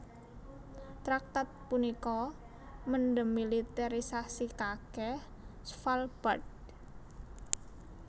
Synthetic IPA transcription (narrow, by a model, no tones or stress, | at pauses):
t̪ɾak̚t̪at̪̚punikɔ | mənɖəmːilit̪aɾisasikakɛh | sfalb̥ad̚